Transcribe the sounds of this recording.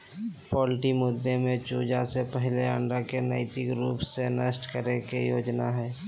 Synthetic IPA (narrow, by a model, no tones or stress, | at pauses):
pɔːlʈimʊd̪ʱːemẽt͡ʃuːd͡ʒasepəɦleə̃ɳɖɾakenɛɪt̪ɪkɾuːpsenəsʈkəɾekejoːd͡ʒnaɦɛː